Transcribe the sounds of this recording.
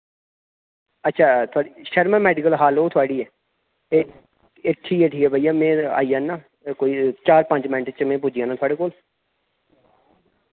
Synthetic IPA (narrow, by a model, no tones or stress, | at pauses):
ətːʃʰaːt̪ʰʊaːɽiʃəɾmẽːmɛːɖɪkəlɦaːloːt̪ʰʊaːɽiːɛː | eː | eʈʰiːkɛːʈʰiːkɛːbʱaijaːmɛ̃ːa̰ːiːãːnaː | koːiːt͡ʃaːɾpə̃ɲd͡ʒmə̃ɳʈt͡ʃmɛ̃ːp̬ʊd͡ʒiːãːnãːt̪ʊaːɽeːkoːl